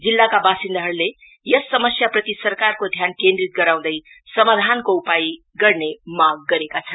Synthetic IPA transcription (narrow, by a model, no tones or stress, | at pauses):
d͡zilːakabasind̪aɦʌɾule | jʌsːʌmʌsjaprʌt̪isʌrkarkod̪ʱjankẽnd̪rit̪̚ɡʌɾãw̃d̪ʌj | sʌmad̪ʱankoupaj | ɡʌrnemaɡ̚ːʌɾekat͡sʰʌnn